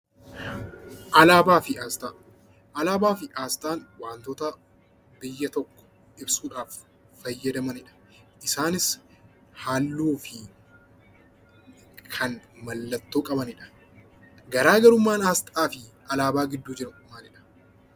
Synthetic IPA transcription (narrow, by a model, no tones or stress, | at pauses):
ʔɐlaːbaːfɪaːst̪aː | ʔɐlaːbaːfɪʔaːst̪ʼaːnwaːnt̪oːt̪ɐ | bɪjːɐt̪ɔkːɔ̥ | ɪbsuːᶑaːfː | ɐjːɐd̪ɐmɐnɪᶑɐ̥ | ʔɪsaːnɪs | haːlːuːfɪ | kʰɐnmɐlːɐt̪ːoːkʼɐbɐnɪᶑɐ̥ | ɡɐɾaːɡɐɾʊmːaːnaːst̪ʼaːfɪ | ɐlaːbaːɡɪd̪ːuːd͡ʒɪɾɐkʼʊmːaːnɪᶑɐ̥